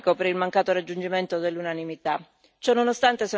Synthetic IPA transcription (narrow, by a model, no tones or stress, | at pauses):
kopeɾilmaŋkaːt̪oɾad͡ʒːund͡ʒiment̪od̪elːunanimit̪a | t͡ʃɔnːonost̪ant̪eso